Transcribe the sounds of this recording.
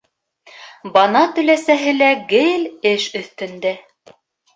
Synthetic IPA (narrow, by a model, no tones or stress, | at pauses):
bɑnɑt̪ɵ̆læsæɦɘlæɡɘlɘʃɵ̆θt̪ɵ̆nd̪æ